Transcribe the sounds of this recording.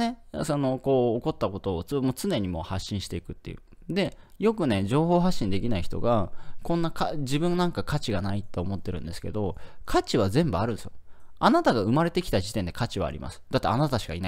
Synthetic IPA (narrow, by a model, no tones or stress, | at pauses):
ne̞so̞no̞ko̞ːko̞t̪ːako̞t̪o̞ːt͡sbmoːt͡sɨne̞ɲ̟imo̞̰haɕːĩɰ̃ɕi̥t̪e̞ikɯ̟t̪ːe̞̰jɯ̰ː | d̪e̞jo̞kɯ̟ne̞d͡ʑo̞ːɦo̞ːɦaɕːĩnd̪e̞kʲinaiçi̥t̪o̞̰ɡakõ̞nːakaʑibɯ̟̃nːãŋkakʰat͡ɕiɡanait̪ːe̞omo̞t̪ːe̞ɾɯ̟̃nd̪e̞sɨ̥ke̞d̪o̞kʰat͡ɕiβ̞azẽ̞mbɯ̟aɾɯ̟nsɨoanat̪aɡaɯ̟maɾe̞t̪e̞kʲi̥t̪aʑit̪end̪e̞kat͡ɕiβa̰ːɾʲḭma̰sɨ̥d̪̥at̪ːḛanat̪aɕi̥ka̰ina